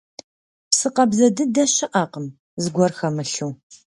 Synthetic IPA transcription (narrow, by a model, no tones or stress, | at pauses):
psɨqɐbzɐdɨdɐɕɪʔɐqəm | zɨɡʷɔrxɐmɨɬuː